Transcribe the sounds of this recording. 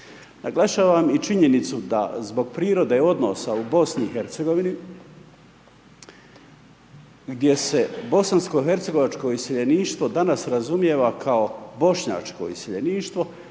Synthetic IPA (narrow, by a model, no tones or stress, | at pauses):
naɡlˠaʃaːʋamit͡ʃiɲe̞nit̪sud̪a̰zbo̞ɡ̚pɾiːɾo̞d̪e̞o̞d̪no̰saubo̞sniixe̞ɾt̪seɡo̞ʋini | ɡd̪je̞se̞bo̞sansko̞ɦe̞ɾt̪se̞ɡo̞ʋat͡ʃko̞iseʎeniːʃt̪ʋo̞d̪anasɾazumje̞ːʋakʰao̞bo̞ʃɲa̰ːt͡ʃko̞̰iseʎeniːʃt̪ʋo̞